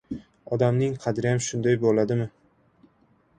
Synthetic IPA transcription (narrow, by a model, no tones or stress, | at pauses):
ɒd̪amnɪŋqʰɑd̪ɾɪjamʃʊnd̪ajbolad̪ɪmɪ